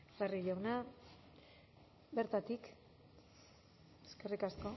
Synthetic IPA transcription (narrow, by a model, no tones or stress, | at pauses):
bariʝawna | beɾt̪at̪ik | eskerikasko̞